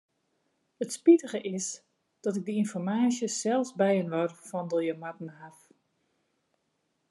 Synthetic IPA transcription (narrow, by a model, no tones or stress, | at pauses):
ətspitəɣəʔɪs | d̥ɔtɪɡ̚dəinfɔrmaːsjəsɛlˠsbɛjənʋɔrfɔndojəmatnəɦaf